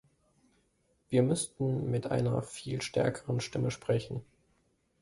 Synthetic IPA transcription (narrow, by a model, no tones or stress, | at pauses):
v̥iːɐmʏstn̩mɪtʔa̰ɪnɐ̰fiːlʃtɛ̰ɐkʰəʁənʃtɪməʃpʁ̥ɛçn̩